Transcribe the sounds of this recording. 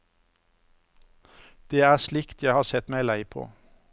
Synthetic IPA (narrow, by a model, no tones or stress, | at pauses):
d̪̥eːæːʃlɪkt̪ʰjæɪhɑːsɛt̪mæɪlæɪpʰo̰ː